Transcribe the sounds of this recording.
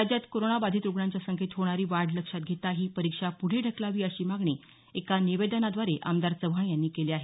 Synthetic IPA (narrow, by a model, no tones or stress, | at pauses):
ad͡ʑjat̪koɾonabad̪ʱiːt̪ɾuɡɳaɲt͡ɕjasəŋket̪ɦoɽ̃aɾiːʋaɽləkʂat̪̚ɡʱet̪aɦiːpəɾikʂapuɽ̤eɖʱəklaʋiːəɕiːmaɡɳe | ekaniʋed̪ənad̪ʋaɾeʔa̰md̪aɾt͡səʋɦãjanːiːkeleaɦe